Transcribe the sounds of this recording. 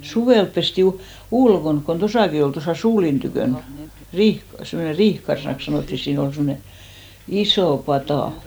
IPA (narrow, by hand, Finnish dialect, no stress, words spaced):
suʋeˑlp pesti ulkonk kon tosɑˑki ol tosɑˑ suːlin tykøˑn riːh semːone riːhkɑrsĭnɑks sɑnoˑtːi siːn ol semne isoˑ pɑtɑˑ